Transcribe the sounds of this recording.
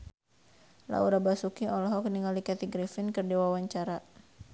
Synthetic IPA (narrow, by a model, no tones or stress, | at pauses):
la̰uɾabasukiɔlɔɦɔkniŋalikat̪iɡɾifɪnkɨrdiwawaɲt͡ʃaɾa